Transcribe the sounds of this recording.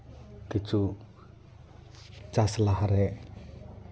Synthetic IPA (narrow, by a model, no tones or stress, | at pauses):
d̪̥i̤̥t͡ʃu | t͡ʃaslahaɾe